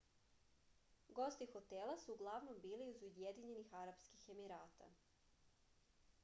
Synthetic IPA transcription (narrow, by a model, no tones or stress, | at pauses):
ɡo̞st̪ixo̞t̪elˠasuːɡlˠaʋno̞mbiːliizujed̪iɲe̞nixaɾapskixe̞miɾaːt̪a̰